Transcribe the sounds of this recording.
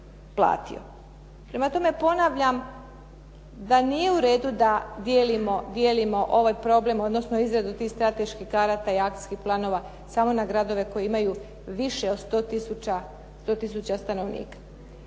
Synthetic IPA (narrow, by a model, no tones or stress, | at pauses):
plˠa̰ːt̪ḭo̞̰ | pɾe̞mat̪o̞me̞po̞naʋʎam | d̪anije̞uɾe̞ːd̪ud̪ad̪jelimo̞d̪je̞ːlimo̞ʔo̞ʋaːjpɾo̞ble̞mo̞d̪nosnoizɾed̪ut̪iːxst̪ɾat̪e̞ʃkixkaɾat̪aiakt̪i̥skixplˠaːno̞ʋa | saːmo̞naɡɾad̪o̞ʋe̞ko̞jeimaju | ʋiʃe̞od̪st̪o̞t̪isut͡ɕa | st̪o̞t̪is̬ut͡ɕast̪ano̞ʋnḭːkḁ